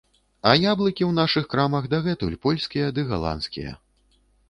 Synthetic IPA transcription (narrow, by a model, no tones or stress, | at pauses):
ɐjablˠɨkʲiwnaʂɨxkɾamɐɣd̪ɐɣɛt̪ulʲpɔlʲsʲkʲijɐd̪ɨɣa̰lˠa̰nskʲḭjɐ̰